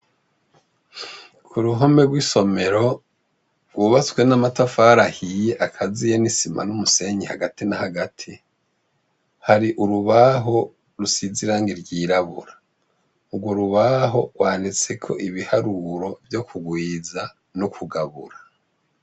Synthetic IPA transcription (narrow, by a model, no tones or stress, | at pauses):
kʰuɾuɦome̞ɡwiso̞me̞ɾo̞ | ɡwuːβat͡swenamatafaːɾahije̞ʔakʰazijenisima̰numuse̞ɲihaɡatinahaɡatʰi | haɾiʔuɾuβaɦo̞ | ɾusiziɾaːŋɡiɾɡiːɾaβṵɾa | uɡwo̞ɾuβaɦo̞ɡ̥waːndit͡se̞kʰo̞̰ʔiβihaɾuɾo̞vjo̞kʰuɡwiːza | nukʰuɡaβṵɾa